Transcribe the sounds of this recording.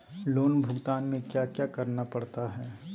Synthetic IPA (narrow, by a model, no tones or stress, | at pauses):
loːnbʱʊɡt̪aːnmẽkjaːkjaːkɐɾnapɐɽt̪aɦɛː